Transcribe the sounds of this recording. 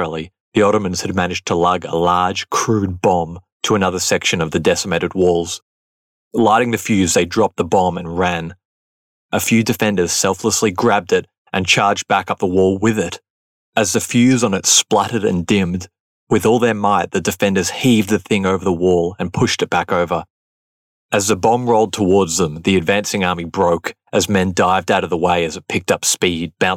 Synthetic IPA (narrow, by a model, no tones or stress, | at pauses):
l̩ˠi | ðiɑɾəmɨ̃nz̥ɨd̚mænɨd͡ʒtʰəlʌɡə̰lɑɹd̥ʒ̥kʰɹ̥ʉd̚bɑ̃m | tʰəənʌðə˞sɛkʃɨ̃nʌvðɨdɛsəmɛɾɨt̚wɔlˠz̥ | laɪɾɪ̃ŋðɨfjʉzðeɪdɹɑp̪̚ðəbɑ̃mɨ̃nɹæ̃n | ʔɨfjʉdɨfɛ̃ndə˞z̥sɛlˠfləsliɡɹæb̚dɪɾ | ʔɨ̃nt͡ʃʰɑɹd͡ʒ̚bækʌp̚ðəwɔlˠwɪðɪɾ | ɨzðɨfjʉzn̩ɨtsplʌɾɨɾɨ̰̃ndɪ̃md | wɨðɔlˠðə˞maɪt̪̚ðɨdɨfɛ̃ndə˞z̥hivd̪̚ðɨθɪ̃ŋoʊvə˞ðəwɔlˠɨ̃npʰʊʃtɨt̚b̥ækoʊvə˞ | ɨzðɨbɑ̃mɹoʊlˠd̚tʰəwɔɹdzðə̃mðiɨdvæ̃nsɪ̃ŋɑɹmibɹoʊk | ʔɨzmɛ̃ndaɪvdaʊɾʌvðəweɪɨzɨt̚pʰɪk̚tʌpspid̚bãʊ̃n